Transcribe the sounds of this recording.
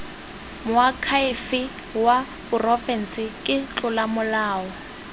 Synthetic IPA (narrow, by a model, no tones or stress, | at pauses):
mʊakʰaɪfɪ | wa | pʊrɔfɛn̩sɪkʼɪt͡ɬʊlamʊlaːɔ